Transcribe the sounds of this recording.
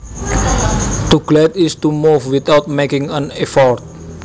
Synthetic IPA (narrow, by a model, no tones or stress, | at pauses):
t̪uɡlɛt̪ist̪umufwit̪awt̪̚mekɪ̃ŋãnɛfɔrt̪̚